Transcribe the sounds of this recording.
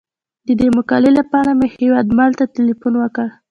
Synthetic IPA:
d̪əd̪emʊkɑlelapɑɾamehewɑd̪malt̪atɪlifunwəkəɽ

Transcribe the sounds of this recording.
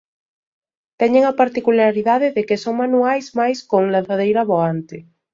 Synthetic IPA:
t̪ɛɲeŋapaɾt̪ikulaɾiðaðeðekesoŋmanuajzmajskoŋlanθaðejɾaβoant̪e

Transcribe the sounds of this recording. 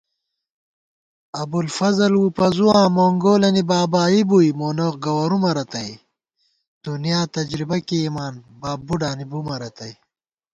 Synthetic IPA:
ɐbulfɐzɐlwupɐzuwãːmoːŋɡoːlɐnibaːbaːibujmoːnoqɡɐwɐɾumɐɾɐt̪ɐj | t̪unijaːt̪ɐd͡ʑɾibɐkiːmaːnbaːbuɖaːnibumɐɾɐt̪ɐj

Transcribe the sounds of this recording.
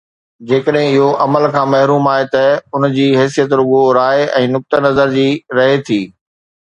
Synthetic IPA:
d͡ʑeːkəɗɦɪ̃ɪɦoʔɐməlkʰãːmɐɦɾuːmaːɦet̪ɐʊnd͡ʑiːɦɛːs̬ijət̪ɾʊɠoɾaːeɛ̃ːnʊk̚t̪ənɐzəɾd͡ʑiːɾɐɦet̪ʰiː

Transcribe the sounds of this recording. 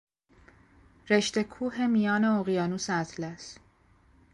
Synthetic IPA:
ɾe̞ʃt̪e̞kʰuːɦe̞mijɒːne̞oɣijɒːnuːsæt̪ʰlæs

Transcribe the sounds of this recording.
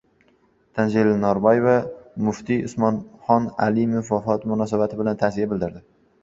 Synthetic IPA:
t̪ʰand͡ʒelːanɒɾbɒjevamʊft̪ʰiʊsmɒnχɒnalɪmofːafɒt̪mʊnɒs̬abat̪ʰɪbɪlant̪ʰasijabɪld̪ɪɾd̪ɪ

